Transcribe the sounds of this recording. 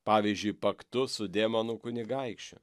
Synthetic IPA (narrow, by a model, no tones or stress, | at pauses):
pɑːʋʲiːzʲd͡ʒʲʊɪjpɐkt̪ʊsʊd̪ʲeːmɐnʊkʊnʲɪɡɐɪkʃʲt͡ʃʲʊ̰